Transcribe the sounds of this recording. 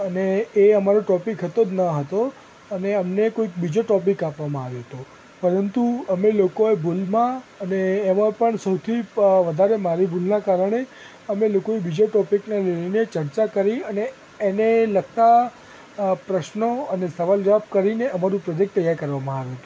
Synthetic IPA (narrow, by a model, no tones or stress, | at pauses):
əneːəmaɾoʈɔpikɦət̪od͡ʒ̪nəɦət̪o | əneəmnekoik̚bid͡ʒoʈɔpikapʋamãaʋjoɦət̪o | pəɾənt̪uəmelokoebʱulmãəneːmãpəɳsəwt̪ʰiʋəd̪ʱaɾemaɾibʱulnakaɾəɳ̃e | əmelokoebid͡ʒoʈɔpiknaleinet͡ʃəɾt͡ʃakəɾiəneː | nelək̚t̪a | pɾəʃnoənesəʋald͡ʒəʋab̚kəɾineʔəmaɾũpɾɔd͡ʒek̚ʈt̪əjːaɾkəɾʋamãaʋjoɦət̪ũ